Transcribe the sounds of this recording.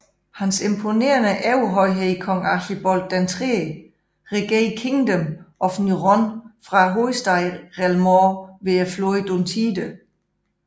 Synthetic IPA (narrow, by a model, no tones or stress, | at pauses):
hænse̝mpʰo̝ne̝̰ːɐnəʔæuɦɒɪɦekʰɒ̽ŋɑɕib̥ɒ̽l̥ːænt͡sʰʁe | ʁeɡ̥ekʰeŋd̥əmʔɒ̽fniʁɔnfʁɑ̈ɦoisd̥ɑ̈ɪʁɛlmɔːʋeɐfloid̥ont͡sʰiːd̥ə